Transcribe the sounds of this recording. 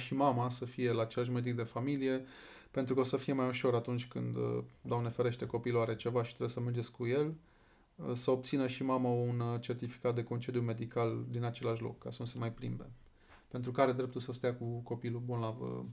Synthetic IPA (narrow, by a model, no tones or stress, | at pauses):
ʃimamasəfije̞laːt͡ʃe̞laʃ̬me̞d̪ik̚d̪e̞familije̞ | pe̞nt̪ɾukəosəfije̞majuʃo̞ɾat̪unt͡ʃʲkɨnd̪d̪oamnefeɾe̞ʃt̪e̞ko̞piluaɾe̞t͡ʃe̞vaʃit̪ɾebesəmerd͡ʒe̞skuje̞l | səob̚t̪sinəʃimamaunt͡ʃe̞rt̪ifi̥kat̪̚d̪e̞ko̞nt͡ʃe̞d̪jume̞d̪ikald̪inat͡ʃe̞laʃlo̞̰kːasənuse̞majpɾḭmbe̞̰ | pent̪ɾukaɾe̞d̪ɾe̞p̚t̪ulsəst̪eakuko̞pilubunlaə̰